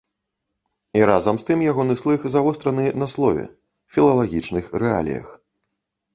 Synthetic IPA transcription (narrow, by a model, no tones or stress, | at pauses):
iɾazɐmst̪ɨmjaɣɔnɨslˠɨxzavɔst̪ɾɐnɨnɐslˠɔvʲɛ̰ | fʲilˠɐlˠaɣʲit͡ʂnɨxrɛa̰lʲḭjɐ̰x